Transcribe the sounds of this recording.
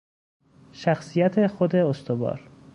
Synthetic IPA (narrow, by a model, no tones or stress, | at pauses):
ʃæxsijæt̪ʰe̞xod̪e̞ost̪ʰobɒ̰ːɾ